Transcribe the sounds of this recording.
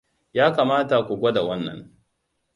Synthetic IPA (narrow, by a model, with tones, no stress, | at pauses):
jaː˦kaː˨maː˦ta˨kʷu˨ɡʷɐ˦da˨wɐ˦nːɐ̰˨ŋ